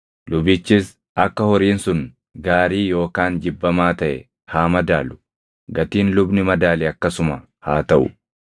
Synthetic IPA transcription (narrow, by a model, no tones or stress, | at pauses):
lʊbɪt͡ʃːɪs | ʔɐkːɐhɔɾiːnsʊn | ɡaːɾiːjo̞ːkaːnd͡ʒɪbːɐmaːt̪ɐʔɛ̰ | haːmɐd̪aːlʊ̥ | ɡɐt̪iːnlʊbnɪmɐd̪aːlɛɐkːɐsʊmɐ | haːt̪ɐʔʊ̰